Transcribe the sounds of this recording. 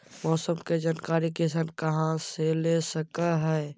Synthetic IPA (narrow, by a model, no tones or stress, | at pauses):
mɔːsəmked͡ʒənkaːɾikesənkɐɦãselesəkaɦɛː